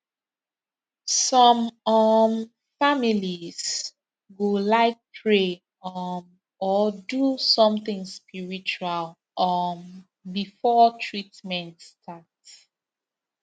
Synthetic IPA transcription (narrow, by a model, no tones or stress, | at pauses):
sɔmɔm | familiz | ɡolaɪk̚pʰɹe | ɔn | ɔdusɔ̃mθɪ̃ŋspiɹit͡ʃual | ʔɔn | bifɔtʰɹitmɛ̃ntstʰats